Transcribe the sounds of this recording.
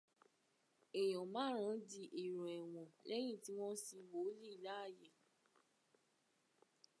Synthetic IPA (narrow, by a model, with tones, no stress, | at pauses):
ɛ˨j̃ɔ̃˨mã˦ɾ̃ã˨˦di˧ʔi˨ɾ̃ũ˨ɛ˨w̃ɔ̃˨lɛ˦j̃ĩ˦˨ti˦w̃ɔ̃˦si˧wo˨˦li˦i˦˨la˦a˦˨je˨